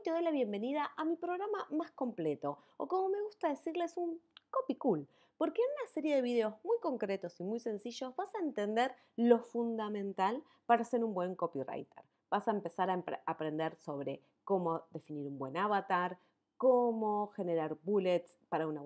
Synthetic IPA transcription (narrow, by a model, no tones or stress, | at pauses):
jt̪eðo̞jlaβje̞mbe̞nið̞aʔamipɾo̞ɣɾamamasko̞mple̞t̪o̞ | o̰ko̞mo̞me̞ɣ̞ust̪aðe̞siɾle̞suŋkopikul | po̞ɾkeːnunaseɾje̞ðe̞β̞iðeo̞zmujko̞ŋkɾe̞t̪o̞simujse̞nsiʒo̞zβasaent̪e̞nd̪e̞ɾ | lo̞fund̪amẽ̞nt̪al | paɾaːse̞ɾumbwe̞ŋko̞pira̰jt̪ḛɾ | b̥asaempe̞saɾapapɾe̞nd̪e̞ɾso̞β̞ɾe̞̰ | ko̞mo̞ðe̞finiɾumbwe̞naβat̪aɾ | komo̞xe̞ne̞ɾaɾbulet̪spaɾauna